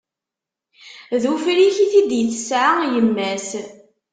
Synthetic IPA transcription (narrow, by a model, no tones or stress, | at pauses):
ðufɾiçiθid̪jəθːəsʕajəmːæs